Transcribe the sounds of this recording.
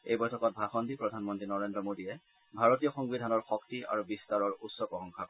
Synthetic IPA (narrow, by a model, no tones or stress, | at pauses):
ejbɔjtʰɔkɔt̚bʱaxɔndipɹɔdʱanmɔntɹinɔɹendɹɔmodijɛ | bʱaɹotijɔxɔŋbidʱanɔɹxɔk̚tia̰ɹubistaɹɔɹutsɔkɔxɔŋkʰa